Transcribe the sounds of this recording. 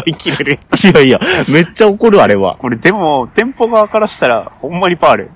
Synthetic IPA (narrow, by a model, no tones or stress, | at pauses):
ikʲiɾeɾɯiaiame̞t͡ɕːao̞ko̞ɾɯaɾe̞βa̰ko̞ɾe̞d̪e̞mo̞t̪ẽ̞mpo̞ɡaːkaɾaɕi̥t̪aɾa̰hõ̞mːaɲ̟ipaːɾɯ̟